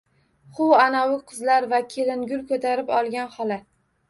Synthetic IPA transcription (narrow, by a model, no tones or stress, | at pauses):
χʊwanawɪqʰɨzlaɾvakʲʰelɪŋɡʲʊlkʰɵt̪ʰaɾɪpɒlˠɡʲanχɒla